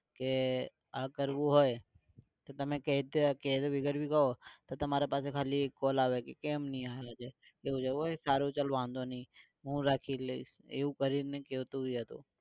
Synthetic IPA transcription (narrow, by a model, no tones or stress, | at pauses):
ke | aːkəɾʋuɦoːe | t̪ot̪əmẽked̪eked̪ʋɪɡəɾbʱikɐɦot̪ot̪əmaːɾepaːsekʰaːliekːoːlaːʋekekeːmnĩaːjad͡ʒe | eːũd͡ʒəoesaːɾot͡ʃəlʋãːnd̪onĩː | ɦũːɾaːkʰile | ḛũkəɾineket̪uiɦət̪o̰ː